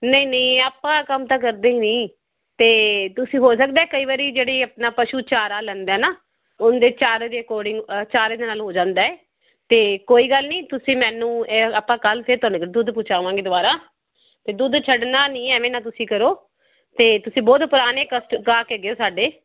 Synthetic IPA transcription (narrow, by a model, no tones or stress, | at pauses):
nəĩːnəĩːaːpːãːkəmt̪ãːk̬əɾd̪eːiːnĩː | t̪eːt̪ʊsĩːɦoːs̬ək̚d̪aːɛːkəiːʋaːɾiːd͡ʒeːɽeːəpnaːpəʃuːt͡ʃaːɾaːlɛ̃ːnd̪ɛːnaː | ʊnd̪eːt͡ʃaːɾeːd̪eːkɔːɾɖɪŋɡt͡ʃaːɾeːd̪eːnaːlɦoːd͡ʒãːnd̪aːɛː | t̪eːkoːiːɡəlnĩːt̪ʊsĩːmɛ̃ːnũːeapːãːkəlpʰɪɾt̪ʊaːnẽːkːd̪ʊd̪pʊt͡ʃaːʋãːŋɡeːd̪ʊbaːɾaː | t̪eːd̪ʊd̪t͡ʃʰəɖnaːnĩːɛːʋẽːnaːt̪ʊsĩːkəɾoː | t̪eːt̪ʊsĩːbɔːt̪pʊɾaːneːkəsʈkaːkeːɡeoːsaːɖeː